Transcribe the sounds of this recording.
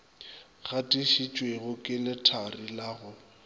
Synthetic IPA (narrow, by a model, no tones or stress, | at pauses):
ɣatʼiʃit͡ʃʼweɣʊkʼɪlɪtʰarilaːɣʊ